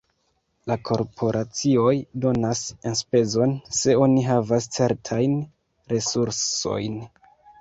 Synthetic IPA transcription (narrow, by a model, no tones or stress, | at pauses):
lakʰo̞ɾpʰo̞ɾʔat͡sio̞jdo̞nasenspe̞zo̞nse̞o̞niɦavast͡se̞ɾtʰajn | ɾe̞suɾso̞̰jn